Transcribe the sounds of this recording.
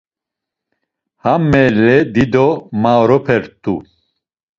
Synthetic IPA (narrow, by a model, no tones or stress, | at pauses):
hamːɛlɛd̪id̪ɔmaɾɔpʰɛɾt̪ʰʼṵ